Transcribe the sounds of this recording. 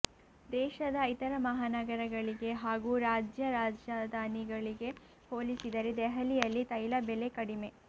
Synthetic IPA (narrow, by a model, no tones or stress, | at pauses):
d̪ɛːʃɐd̪ɐit̪ɐɾɐmɐɦaːnɐɡɐɾɐɡɐɭiɡe̞ɦaːɡuːɾaːd͡ʒjɐɾaːd͡ʒjad̪ʱaːniɡɐɭiɡe̞ | hoːlisid̪ɐɾe̞d̪ɛɦɐlijɐlːit̪ɐjlɐbele̞kɐɽime̞